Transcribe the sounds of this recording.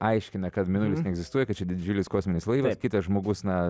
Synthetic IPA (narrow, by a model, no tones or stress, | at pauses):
ɐɪʃʲkʲɪnɐkɐt̪mʲɪnʊlʲɪsnʲɛɡzʲɪst̪uɔjɛkɐt̪̚t͡ʃʲɛd̪ʲɪdʲɪd͡ʒʲulʲɪskoːsʲmʲɪnʲɪslˠɐɪʋɐskʲɪt̪ɐsʒmoːɡʊsnɐ